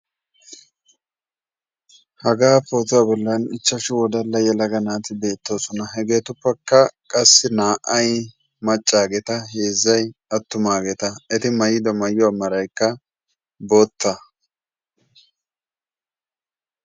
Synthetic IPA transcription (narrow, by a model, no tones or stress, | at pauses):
hɐɡaːpoːt̪ʊabɔlːɐnɪt͡ʃːɐʃɪwɔd̪ɐlːɐjɛlɐɡɐnaːt̪ɪbe̞ːt̪ːo̞ːsɔnɐɦɛɡe̞ːt̪ʊpːɐkːɐkʼɐsːɪnaːʔɐj | mɐt͡ʃʼːaːɡɛt̪ɐɦe̞ːzːɐjɐt̪ːʊmaːɡɛt̪ɐɛt̪ɪmɐjɪd̪ɔmɐjːɔɐmːɐɾɐjkːɐ | bo̞ːt̪ːɐ